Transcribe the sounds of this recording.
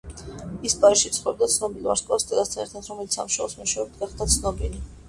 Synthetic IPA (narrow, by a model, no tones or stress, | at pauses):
ispʼaɾiʃit̪sʰχwɛb̚d̪at̪sʰnɔbilˠva̰ɾskʼast̪ʼɛɾat̪st̪ʰaɛɾt̪ʰat̪ʰɾɔmɛlit̪ssa̰muʃɛlˠsmuʃɛɔbd̪ɡaχd̪at̪sʰnɔbili